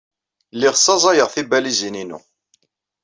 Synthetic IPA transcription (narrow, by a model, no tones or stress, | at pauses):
lːiʁsˤːɑzˤɑjəʁθibælizininṵ